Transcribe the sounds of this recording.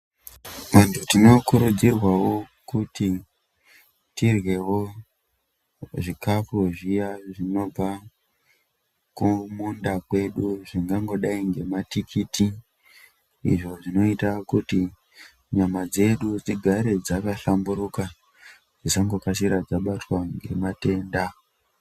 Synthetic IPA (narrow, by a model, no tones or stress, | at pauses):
mantʰutino̞kuɾud͡zirwawo̞kuti | tirwe̞wo̞ | ʐikafuʐijaʐino̞b͡va | kumundakwe̞ɗuʐiŋɡaŋɡo̞ɗaiŋɡe̞matikʰiti | ḭʐo̞ʐino̞itakuti | ɲamad͡ze̞ɗud͡ziɡʱaɾe̞d͡zakaɬambuɾuka | d͡zisaŋɡo̞kas̬iɾad͡zaɓatwaŋɡe̞̰mate̞ːnda